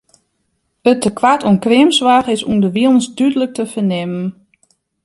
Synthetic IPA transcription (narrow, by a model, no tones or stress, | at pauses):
ətəkʋatunkrɪəmsʋaːxɪsundəʋiəlˠnsdydələk̚təfənɪmən